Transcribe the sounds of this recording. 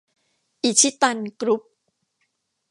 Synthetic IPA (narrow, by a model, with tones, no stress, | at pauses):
ʔi˨˩t͡ɕʰi˦˥t̪a˧nkɾu˦˥p̚